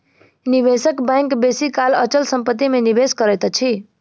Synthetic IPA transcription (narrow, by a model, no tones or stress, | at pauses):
niʋesəkbɛ̃ŋkbesikalət͡ʃəlsə̃mpət̪ːimeniʋeskəɾɛt̪t͡ʃʰi